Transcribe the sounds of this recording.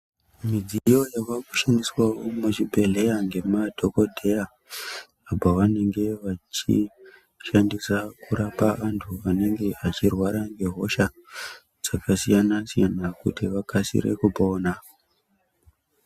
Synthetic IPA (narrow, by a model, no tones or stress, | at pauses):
mid͡zijo̞jakakuʃandiswawomut͡ʃibʱe̞le̞jaŋɡe̞madʱo̞ko̞dʱe̞jaː | bʱaʋane̞ŋɡe̞ʋat͡ʃḭ | ʃandisakuɾapaʋantʰuʋane̞ŋɡe̞at͡ʃirwaɾaŋɡe̞ɦo̞ʃa | d͡z̥akasijanasijanakṵtiʋakasḭɾḛkupo̞ːna